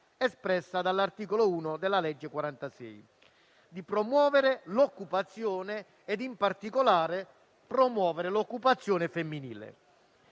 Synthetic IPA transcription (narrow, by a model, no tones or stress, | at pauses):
ɛspɾɛsːad̪alːart̪iːkolouːnod̪elːalɛd͡ʒːekwaɾant̪asɛ̰j | d̪ipɾomwɔːvɪɾelokːupat̪sːjɔːneː | d̪impart̪ikolaːɾe | pɾomwɔːveɾelokːupat̪sːjɔːnefemːinḭːlḛ